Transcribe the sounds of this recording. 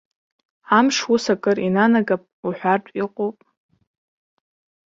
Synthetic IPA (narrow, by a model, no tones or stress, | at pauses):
amʂwusakʼɨrinanaɡapʼuħʷartʷʼiqʷʼopʼ